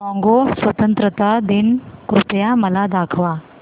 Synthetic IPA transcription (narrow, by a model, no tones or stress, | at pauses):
mɔ̃ŋɡosʋət̪ənt̪ɾət̪ad̪inkɾut̪jaməlad̪akʰʋa